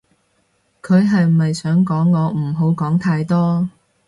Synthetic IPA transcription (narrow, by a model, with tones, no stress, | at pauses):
kʰɵ˨˧ɥɦɐ˨jmɐ˨jsœː˨˥ŋkɔː˨˥ŋːɔː˨˧m̩˨˩ɦo˨˥wkɔː˨˥ŋt̪ʰaː˧jt̪ɔː˥